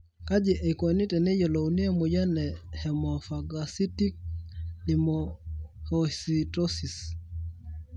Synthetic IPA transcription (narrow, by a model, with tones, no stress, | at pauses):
ka˦d͡ʒi˨ʔe˨ko˨ni˦tɛ˨ne˦jɔ˨lo˨uni˦e˦mu˨ja˦nɛ˨hɛ˨mɔfaɡasi˦ti˦k̚ɗi˨mohɔsitɔ˦si˨s